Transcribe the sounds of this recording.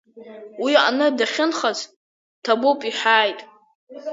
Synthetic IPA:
wia̰nɨdaχʲɪnχat͡s | tʰabopʼiħaːjtʼ

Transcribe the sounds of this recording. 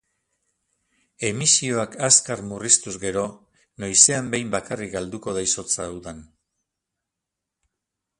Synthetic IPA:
e̞misio̞akaskaɾmurist̪uzɡe̞ɾo̞ | nojse̞ambe̞jmbakarikɡald̪uko̞ð̞aiso̞t͡saːwðan

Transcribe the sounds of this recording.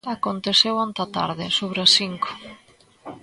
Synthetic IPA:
akont̪eθewant̪at̪a̰ɾðɪsoβɾasiŋko̥

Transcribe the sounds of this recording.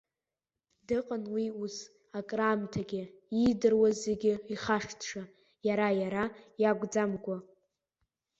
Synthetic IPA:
dɨqʼənwius | akʼraːmtʰaɡʲɪidɨrwazeɡʲɪiχaʂtʰʂa | jaɾajaɾajaɡʷd͡zamɡʷa

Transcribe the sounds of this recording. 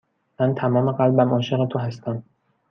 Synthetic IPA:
mænt̪ʰæmɒːmeɢælbæmʔɒːʃe̞ɣet̪ʰoɦæst̪ʰæm

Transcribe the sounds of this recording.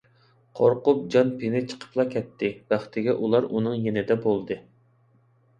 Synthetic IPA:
qʰoɾqʊp̚d͡ʒɑnpʰenɪt͡ʃʰə̥qʰə̥plˠɑkʲʰɛt̪ʰːɪbæχt̪ɪɡʲɛʔulˠɑɾunɨŋjenɪd̪ɛbolˠd̪ɨ

